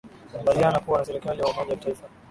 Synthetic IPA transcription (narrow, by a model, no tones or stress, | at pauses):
ambalianakuwanasɛɾikalijaaumɔʄawataifa